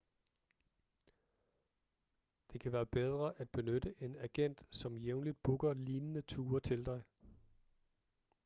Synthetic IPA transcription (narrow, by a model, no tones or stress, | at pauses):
d̥e̝kʰæʋæːɐb̥eð̞ˠʁɐʔæd̥̚b̥e̝nød̥əʔe̝næɡ̥en̰d̥sɒ̽mjeʊnlid̥̚b̥uɡ̥ɐliːnənət͡sʰuːɐt͡sʰe̝ld̥ɑ̈ɪ